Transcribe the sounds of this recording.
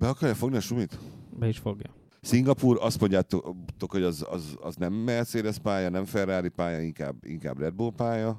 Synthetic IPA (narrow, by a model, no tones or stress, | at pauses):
b̥ɛɒkɒrjɒfo̞ɡniɒʃumit̪bɛiʃfo̞ɡjɒ̰ | siŋɡɒpuːrɒst̪mo̞ɲɟaːt̪t̪o̞kho̞ɟɒzɒ̰zɒ̰znɛmːɛt̪seːd̪ɛspaːjɒnɛɱfɛraːɾipaːjɒiŋka̰ːbḭŋka̰ːbrɛd̪̚bulpaːjɒ